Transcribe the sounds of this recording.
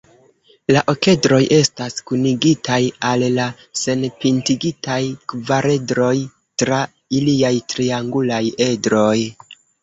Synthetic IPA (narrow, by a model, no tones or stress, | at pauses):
laʔo̞ke̞dɾo̞jʔe̞staskuniɡitajalːa | se̞npintiɡitajkvaɾʔe̞dɾo̞j | tɾa | iliajtɾiaŋɡulaje̞dɾo̞j